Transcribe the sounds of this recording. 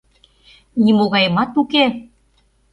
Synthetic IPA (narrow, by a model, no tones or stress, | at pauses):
nimoɣɑjəmɑt̪uke